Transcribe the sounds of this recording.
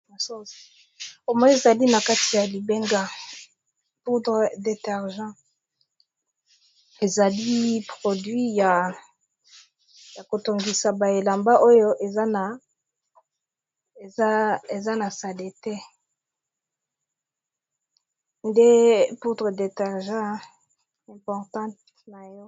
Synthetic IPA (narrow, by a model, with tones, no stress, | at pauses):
so˦ | o˨mɔ˦je˨za˨li˦na˨ka˦ti˨ja˨li˨be˦ŋɡa˦ | pu˦dʁe˨de˨tɛ˨ʁʒɑ̃˦ | e˨za˨li˦pʁo˨dɥi˦ja˨ | ja˨ko˨to˨ŋɡi˨sa˨ba˨e˨la˨mba˦ʔo˦jo˦ʔe˨za˦na˨ | e˨a˦e˨za˦na˨sa˨le˨te˦ | nde˦pu˦dʁe˨de˨tɛ˨ʁʒɑ̃˦ | ɛ̃˨mpɔ˨ʁtɑ̃˦t | na˨jɔ˦